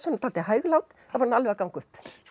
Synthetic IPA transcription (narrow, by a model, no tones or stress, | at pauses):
sɔnt̪ʰaːlt̪ɪɦœːɥɣlaːwt̪ | avɔɾnalvɛɣakawŋkʏhp